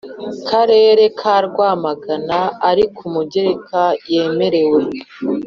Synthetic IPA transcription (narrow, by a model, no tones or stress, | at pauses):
kʰaɾe̞ːɾe̞kʰaːɾɡwaːmaɡanaaɾikʰumuɟe̞ɾekʰaje̞ːme̞ɾe̞we̞